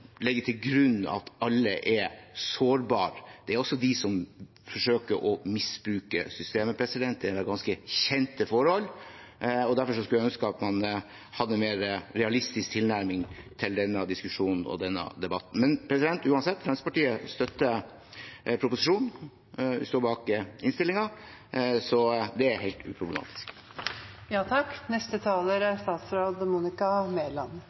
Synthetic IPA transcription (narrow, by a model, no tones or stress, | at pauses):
lɛɡːəʈ̪ʰɪlɡɾʉnːɑ̰t̪ɑlːəʔɛɾsoːɾbɑːɾd̪̥ɛæɾɔsːɔd̪ɪsɔm | fɔʂøːkəɾʔɔmɪsbɾʉːkəsʏst̪eːməpʰɾɛsɪd̪ɛnt̪ːɛʋɛɾɡɑnskəçɛnt̪əfɔɾhɔlː | ɔd̪æɾfɔʂɔskʉljæœnskəɑt̪mɑn | hɑd̪ːəmeːɾəɾɛɑlɪst̪ɪsk̚t̪ʰɪlnæɾmɪŋt̪ʰɪld̪ɛnːəd̪ɪskʉʂuːnn̩ɔ̰d̪ɛnːɑ̰d̪ɛbɑt̪ːn̩mɛnpʰɾɛsɪd̪ɛnt̪ʉːɑnsɛt̪ːfʰɾɑnsəpɑʈiːəst̪œt̪ːə | pʰɾʊpʊsɪʂuːn | ʋɪ̰st̪oːɾbɑːkɪnst̪ɪlːɪŋɑ | sɔd̪ɛæɾheɪt̪ʉ̰ːpʰɾʊblə̰mɑ̰ːt̪ʰɪ̥sk | jɑːt̪ʰɑknɛst̪ət̪ʰɑːləɾæst̪ɑːt̪sɾoːd̪muːnɪkɑmeːlɑn